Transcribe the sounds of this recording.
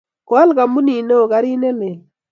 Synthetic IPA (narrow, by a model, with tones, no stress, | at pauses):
ko˨a˦lka˨mu˦ni˨no˦˨ka˨ɾi˦ne˦le˨